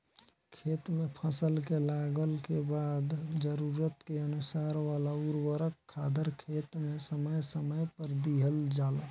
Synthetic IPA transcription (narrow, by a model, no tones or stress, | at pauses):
kʰeːt̪mẽpʰəsəlkelaːɡəlkebaːd̪d͡ʒəɾuɾət̪keənʊsaːɾʋaːlauɾwəɾəkʰːaːd̪əɾkʰeːt̪mẽsəməjsəməjpəɾd̪iɦəld͡ʒaːla